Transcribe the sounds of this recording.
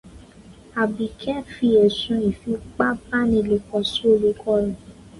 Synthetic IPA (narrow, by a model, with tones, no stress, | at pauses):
a˨bi˨kʰɛ˦fi˧ɛ˨sũ˧˦i˨fi˧˦k͡pa˦ba˦nĩ˧˨le˧˨kɔ˧so˦˨le˨˧˦kʰɔ˦ɾɔ̃˨